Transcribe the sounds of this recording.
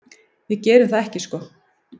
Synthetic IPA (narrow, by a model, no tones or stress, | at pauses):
jɛcɛːɾʏθaðɛhcɪskɔː